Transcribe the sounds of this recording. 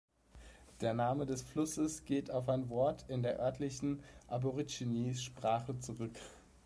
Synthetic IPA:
d̥eːɐnaːmədɛsflʊsəsɡ̥eːtaʊfaɪnvɔɐtʰɪndeːɐʔœɐtlɪçn̩ʔaboʁit͡ʃiniːsʃpʁ̥aːχət͡suʁʏk

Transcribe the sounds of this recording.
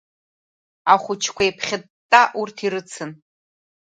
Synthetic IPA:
aχʷʊt͡ʃʰkʷʰaipʰχʲɪtʼːaʔurtʰiɾɨt͡sʰɨn

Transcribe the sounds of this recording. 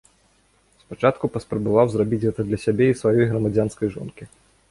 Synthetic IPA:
spat͡ʂat̪kupɐspɾɐbavawzrabʲit͡sʲɣɛt̪ɐd̪lʲɐsʲabʲɛisvajɔjɣɾɐmad͡zʲanskɐjʐɔ̰nkʲi

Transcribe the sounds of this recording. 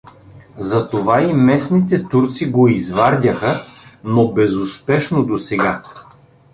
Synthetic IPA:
zɐt̪ovaimɛsnit̪ɛt̪uɾt̪siɡoizvaɾd̪ʲɐxənobɛzʊspɛʃnod̪osɛɡa

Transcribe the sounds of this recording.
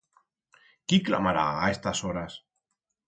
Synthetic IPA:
kikla̰maɾa̰aest̪asoɾas

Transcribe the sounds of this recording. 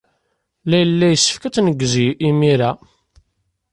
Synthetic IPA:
læjəlːæjəsːə̥fkæt͡sːnəɡːziimiɾæ

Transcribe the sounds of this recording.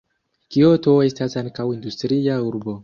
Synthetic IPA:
kiotoe̞stasaŋkawindustɾiauɾbo̞

